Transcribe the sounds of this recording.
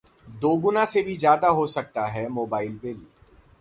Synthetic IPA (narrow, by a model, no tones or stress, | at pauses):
d̪oːɡʊnãsebʱizjaːd̪aɦosɐk̚t̪aɦɛːmoːbaːɪlbɪl